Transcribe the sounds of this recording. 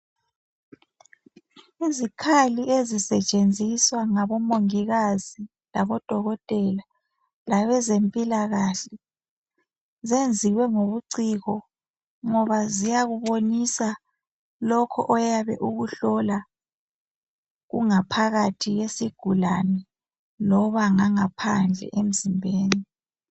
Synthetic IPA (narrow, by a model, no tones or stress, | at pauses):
izikʰaliʔezisɛt͡ʃʼend͡zʱiswaŋaβɔmoŋiɣazi | laβɔd̥ʱɔɣɔtʼɛla | laβɛzempʼilaɣaɬɛ | zend͡zʱiwɛŋoβuǀiɣɔ | ŋɔβazijaɣuβonisa | lɔkʰɔ̰ʔɔjaβɛ̰ʔuɣuɬɔla | ɣṵŋapʰaɣatʰiɣesiɡ̥ʱulanɛ | lɔβaŋaŋapʰand͡ɮʱɛ̰ʔem̩zimbʱeːni